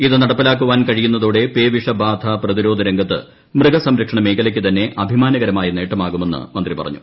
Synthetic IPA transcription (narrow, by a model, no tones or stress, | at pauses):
iðɨnɐɽɐpːilaːk̬ːuʋaːnkɐɻijunːɐðuːɽe̞peːʋiʂɐbaːd̪ʱaprɐðiɾo̞ːd̪ʱɐɾeŋɡɐt̪ːɨ̰ | mrɨɡɐsɐmɾɐkʂɐɳɐmeːkɐlɐkʲːɨt̪ɐnːe̞ʔɐbʱimaːnɐɣɐɾɐmaːjɐneːʈːɐmaːɣume̞nːɨ̰mɐnd̪ripɐrɐ̰ɲːṵ